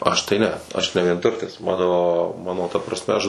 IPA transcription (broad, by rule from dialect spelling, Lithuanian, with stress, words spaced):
ˈɐʃ tɐɪ ˈnʲɛ ˈɐʃ nʲɛ ʋʲiɛnˈtʊrʲtʲɪs ˈmɑːnoː ˈmɑːnoː tɐ prɐsʲˈmʲɛ ɐʃ